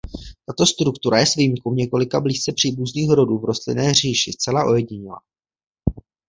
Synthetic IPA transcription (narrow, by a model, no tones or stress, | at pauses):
t̪at̪o̞st̪ɾukt̪uɾajɛsviːmkumɲɛko̞lɪkabliːst͡sɛpr̝̥iːbuzniːxɾo̞duːvɾo̞st̪lɪ̰nɛːr̝iːʃɪst͡sɛlaʔo̞jɛɟɪɲɪla̰